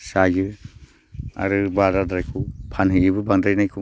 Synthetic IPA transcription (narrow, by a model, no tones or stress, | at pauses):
sajɯ | a̰ɾɯbaɾadɾajkʰupʰanɦɯjibɯbaŋdajnajkʰu